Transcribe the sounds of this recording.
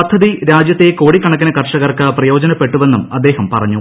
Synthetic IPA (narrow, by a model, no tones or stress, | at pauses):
ɐd̪ʱːɐðiɾaːd͡ʑjɐt̪ːeko̞ːɽikːɐɳɐk̬ːinɐkɐrʂɐɣɐrkɐprɐjo̞ːd͡ʑɐnɐpːe̞ʈːuʋe̞nːumɐd̪ːe̞ːhɐmpɐrɐɲːu